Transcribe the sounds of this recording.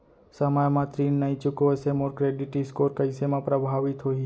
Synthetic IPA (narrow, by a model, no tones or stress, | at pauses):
səmajmãt̪ɾinːəĩt͡ʃukoəsemoɾkɾeɖiʈiskoɾkəɪsemãpɾəbʱaʋit̪ɦoi